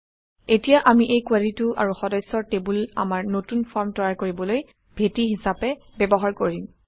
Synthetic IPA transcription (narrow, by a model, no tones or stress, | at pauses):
etijaʔamiʔejkualituʔa̰ɹuxɔdɔjsɔɹtebula̰maɹnotunfʰɔɹmtɔɹaɹkoɹibɔloj | b̥ʱetiɦisapɛ | bɛbɔɦaɹkoɹim